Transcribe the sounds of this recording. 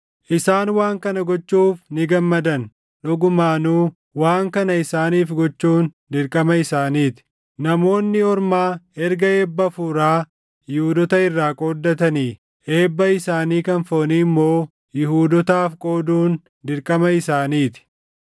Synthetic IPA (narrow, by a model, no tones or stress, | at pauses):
ʔɪsaːnwaːŋkɐnɐɡɔt͡ʃːuːfnɪɡɐmːɐd̪ɐn | ᶑʊɡʊmaːnuː | waːŋkɐnɐɪsaːniːfɡɔt͡ʃːuːn | d̪ɪɾkʼɐmɐɪsaːniːt̪ɪ̥ | nɐmo̞ːnːɪɔɾmaːɛɾɡɐe̞ːbːɐfuɾaː | jɪhuːd̪ɔt̪ɐɪrːaːkʼo̞ːd̪ːɐt̪ɐniː | ʔe̞ːbːɐɪsaːniːkɐnfoːniːmːo̞ː | jɪhuːd̪ɔt̪aːfkʼo̞ːd̪uːn | d̪ɪɾkʼɐmɐɪsaːniːt̪ɪ̥